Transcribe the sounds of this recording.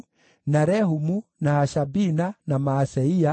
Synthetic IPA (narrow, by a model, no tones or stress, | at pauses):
naɾɛhumunaaʃabinanamaːsɛia